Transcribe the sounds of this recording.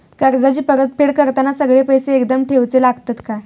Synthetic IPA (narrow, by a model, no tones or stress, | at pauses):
kəɾd͡zat͡ɕiːpəɾət̪̚pʰeɽkəɾt̪anasəɡɭepəjseːkd̪əmʈʰeʋt͡selaɡt̪ət̪ka